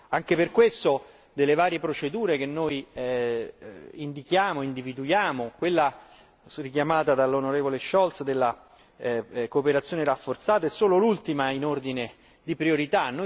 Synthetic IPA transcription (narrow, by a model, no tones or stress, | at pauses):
aŋkeperkwest̪o | d̪elːevaːɾjepɾot͡ʃed̪uːɾek̟enːoj | ind̪ikjaːmoind̪ivid̪ujaːmokwelːa | rikjamaːt̪ad̪alːonoɾeːvoleʃːɔlt̪sd̪elːa | koːpeɾat̪sːjoːneɾafːort̪saːt̪aɛsːoːlolult̪imainord̪ine | d̪ipɾioɾit̪anːo